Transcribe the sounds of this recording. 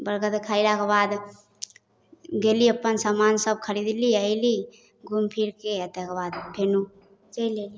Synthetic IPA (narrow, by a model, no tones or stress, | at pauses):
bəɾkət̪kʰailakebad̪ | ɡeliəpːənsəmansəb̚kʰəɾid̪liəɪli | ɡumpʰiɾkeət̪ekebad̪pʰenu | t͡ʃəjleli